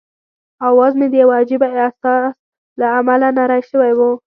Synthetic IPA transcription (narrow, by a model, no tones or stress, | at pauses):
awɑzmed̪əjawaad͡ʒɪbaasɑs | laamalanaɾɑjʃəwajwu